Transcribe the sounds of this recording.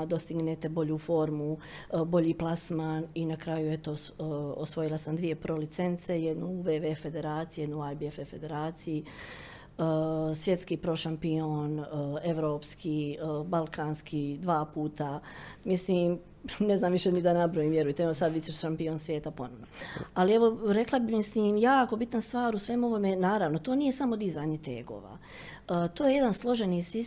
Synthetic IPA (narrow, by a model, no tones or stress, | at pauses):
d̪o̞st̪iɡnet̪e̞bo̞ʎuːfo̞ɾmubo̞ʎiːplˠasmaːninakɾaːjuet̪o | osʋo̞jilˠasamd̪ʋije̞pɾoːlit̪se̞nt̪se̞jed̪nuʋeʋefe̞d̪e̞ɾaːt̪sijije̞d̪nuajbiefefe̞d̪e̞ɾaːt̪siji | əsʋje̞t̪skiːpɾoʃampioneʋɾoːpskʰiːbalˠkʰaːnskʰiːd̪ʋaːpuːt̪amisliːm | neznaːmʋiʃenid̪anabɾojiːmʋjeɾujet̪eeosad̪ʋit͡ʃeʃʃampionsʋje̞ːt̪apo̞noʋnoalieʋo̞ɾe̞klˠabimisliːmjaːko̞bit̪nast̪ʋaːɾusʋeːmo̞ʋo̞menaːɾaʋnot̪o̞ːnije̞samo̞d̪izaːɲe̞t̪eːɡo̰ːʋa̰ː | ət̪oːje̞je̞d̪anslˠo̞ʒenisi